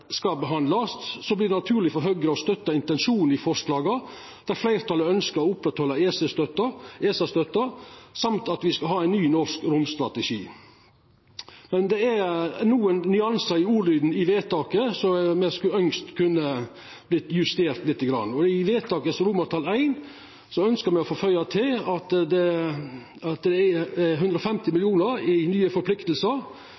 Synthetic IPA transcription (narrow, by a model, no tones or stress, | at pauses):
skɑbəɦɑnd̪lɑssɔblɪɖ̪ɛnɑt̪ʰʉːɾlɪfɔɾɦœɡɾəɔst̪œt̪ːɑɪnt̪ɛnʂuːn̩ɪfɔʂlɑːɡɑ | d̪̥æɾflæɪɾt̪ʰɑləœnskəɾɔʊpɾɛt̪hɔlːɑeːsəst̪œt̪ːəʔeːsɑst̪œt̪ːəsɑmt̪ɑt̪ʋɪskɑɦhɑːæɪnyːnɔɾskɾʊmst̪ɾɑt̪ɛʂḭː | mɛnd̪ɛæɾnuːənnʏɑnsɑɪuːɾlyːd̪n̩ɪʋeːt̪ɑːkəsɔmɛskʉœŋst̪kʰʉnːə | b̥lɪt̪jʉst̪eːɾt̪lɪt̪ːəɡɾɑ̰nːɔɪʋeːt̪ʰɑːkəsɾʊmɑɾt̪ʰɑlæɪn | sɔœnskəɾmɛɔfoːfœʏɑt̪ʰɪlɑt̪d̪ɛ | ɑt̪d̪ɛæɛɦʉnd̪ɾəɔfɛmt̪ɪmɪlɪuːnəɾɪnyːəfɔɾpʰlɪkt̪l̩səɾ